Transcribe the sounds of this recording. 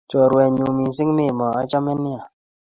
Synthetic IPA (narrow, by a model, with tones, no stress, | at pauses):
t͡ʃɔ˨ɾwɛ˨ɲu˨mi˨sɪ˦ŋmɪ˦˨mɔ˨a˦t͡ʃɔ˦mɛ˦nɪ˦a˨